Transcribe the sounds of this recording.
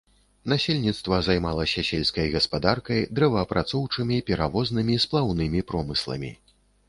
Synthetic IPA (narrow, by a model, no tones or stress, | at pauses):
n̪asʲelʲnʲit̪st̪vɐzajmalˠɐsʲɐsʲelʲskɐjɣɐspad̪arkɐjd̪ɾɛvɐːpɾʔat̪sɔwt͡ʂɨmʲipʲɛɾavɔznɨmʲisplˠawn̪ɨmʲipɾɔmɨslˠɐ̰mʲḭ